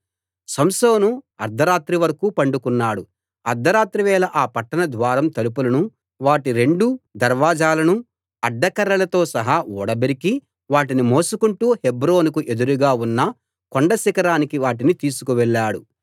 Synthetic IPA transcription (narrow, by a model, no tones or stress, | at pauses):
sɐmsoːnuɐ̰ɾd̪ʱɐɾaːt̪ɾiʋɐɾɐkuːpɐɳɖukunːaːɽu | ɐɾd̪ʱɐɾaːt̪ɾiʋɛːlɐʔaːpɐʈːɐnɐd̪ʋaːɾɐmt̪ɐlup̬ulɐnu | ʋaːʈiɾe̞ɳɖud̪ɐɾʋaːd͡ʒaːlɐnu | ɐɖːɐkɐɾːɐlɐt̪o̞ːsɐɦaːɔːɽɐbeɾiki | ʋaːʈ̬inimo̞ːsukuɳʈuːhebɾo̞ːnuk̬uʔe̞d̪uɾuɡaːunːɐ | koɳɖɐsikɐɾaːnikiʋaːʈ̬init̪iːsu̥kuʋɛɭːaːɽu